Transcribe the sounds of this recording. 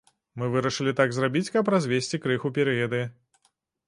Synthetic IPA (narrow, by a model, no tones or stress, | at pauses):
mɨvɨɾɐʂɨlʲit̪aɡzrabʲit͡sʲkɐp̬ɾazʲvʲesʲt͡sʲikɾɨxupʲɛɾɨjɐd̪ɨ